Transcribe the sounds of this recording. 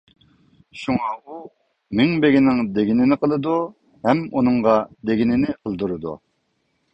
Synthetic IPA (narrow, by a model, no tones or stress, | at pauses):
ʃuŋɑu | mɪŋbeɡʲinɪŋd̪eɡʲinɪnɪqʰəlˠɨd̪u | hɛmunɨŋʁɑd̪eɡʲinɪnɪqʰəlˠd̪uɾɨd̪ṵ